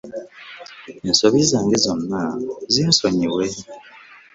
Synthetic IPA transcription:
ensoβizaːŋɡezo̞nːaziːnso̞ɲiβwe

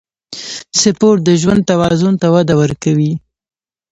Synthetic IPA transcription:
sɪpoʈ̚d̪əʒwand̪̚t̪awɑzʊnt̪awad̪awəɾkawi

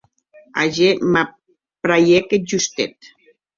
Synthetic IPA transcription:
a̰ʒema | pɾajekeʒust̪et̪

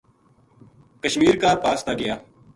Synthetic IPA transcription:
kəʃmiːɾkaːɾpaːst̪aːɡɪjaː

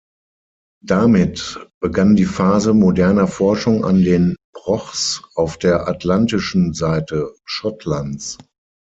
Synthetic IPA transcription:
d̥amɪtb̥əɡandiːfaːzəmodɛɐnɐfɔɐʃʊŋa̰ndeːnb̥ʁɔχsʔaʊfd̥eːɐʔatlantɪʃn̩zaɪtəʃɔtʰlant͡s

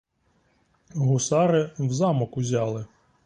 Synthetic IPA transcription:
ɦʊsɑɾɪwzɑmɔkʊzʲɑlˠɪ

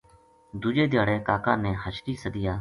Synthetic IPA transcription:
d̪ʊd͡ʒeːd̪jaːɽeːkaːkaːnẽːɦət͡ʃʈiːsəd̪ɪjaː

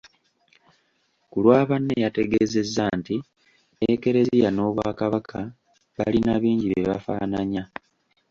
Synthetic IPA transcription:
kulwaːβanːejate̞ɡeːze̞zːanti | eke̞ɾe̞zijano̞βwaːkaβakʰa | βa̰linaβiːɲɟiβeβa̰fa̰ːnaɲa

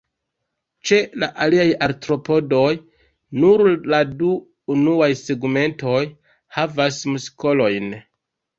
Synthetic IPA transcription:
t͡ʃe̞laʔaliajaɾtɾo̞po̞do̞j | nuɾladuː | nuajse̞ɡme̞nto̞j | havasmusko̞lo̞jn

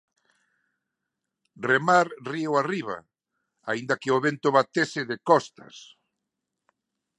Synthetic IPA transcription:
remaɾriwariβ̞a̰ | a̰ind̪ɐkɪoβent̪ʊβat̪esɪðɪkɔst̪a̰s

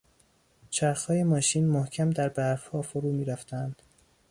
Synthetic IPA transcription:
t͡ʃʰæɾxhɒːje̞mɒːʃiːnmohcʰæmd̪æɾbæɾfhɒːfoɾuːmiːɾæft̪ʰæænd̪̥

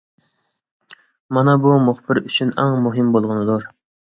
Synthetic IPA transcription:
mɑnɑbumuχbɪɾyt͡ʃʰynɑ̰ŋmuɦɪmbolˠʁʊnɨd̪uɾ

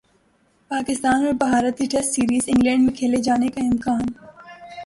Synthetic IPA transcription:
paːkɪst̪aːnɔɾbɐɦaːɾət̪iʈɛsʈsiːɾiːzɪ̃ŋɡlɛ̃ːɳɖmẽkʰeːled͡ʒaːnekaɪmkaːn

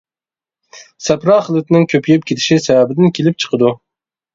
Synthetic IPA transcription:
sɛpɾɑːχəlˠɨt̪nɪŋkʲʰøpʰjʲɛp̚kʲʰet̪ʰɪ̥ʃisɛvɛbɪd̪ɪnkʲʰelɪp̚t͡ʃʰə̥qʰəd̪u

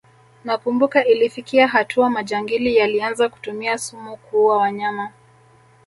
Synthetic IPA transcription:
nakumbukaʔilifikiaɦatʰuamad͡ʒaŋɡilijalianzaku̥tumiasumukuwawaɲama

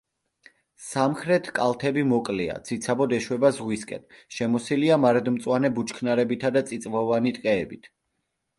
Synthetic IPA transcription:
samχɾɛt̪ʰkʼalˠt̪ʰɛbimɔkʼlia̰t̪sʰit̪sʰabɔd̪ɛʃwɛbazʁwiskʼɛ̰nʃɛmɔsiliamaɾɛd̪mt̪sʼwanɛbut͡ʃʰkʰnaɾɛbit̪ʰad̪at̪sʼit̪sʼvɔvanit̪ʼqʼɛːbit̪ʰ

